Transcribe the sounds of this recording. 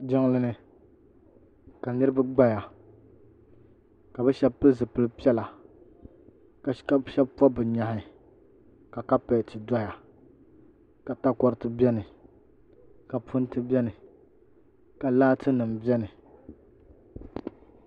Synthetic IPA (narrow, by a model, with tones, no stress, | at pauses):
d͡ʒɪ˦ŋlɨ˦nɨ˦ | ka˨nɨ˦ɾɨ˦ba˦ɡ͡ba˦ja˨ | ka˨bɨ˦ʃɛ˦b̚pɨ˦zɨ˨pɨ˦lɨ˦pi˦ɛ˦la˨ | ka˨ka˦ʃɛ˦bpɔ˦bɨ˨ɲa˨hɪ˨ | ka˨ka˦pɛ˨t͡ʃi˨da˦ja˨ | ka˨ta˦kɔ˦ɾɨ˦tɨ˦bɛ˦nɨ˨ | ka˨pʊ˦n˦tɨ˦bʲɛ˦nɨ˨ | ka˨laː˦tɨ˦nɨ˨mbɛ˦nɨ˨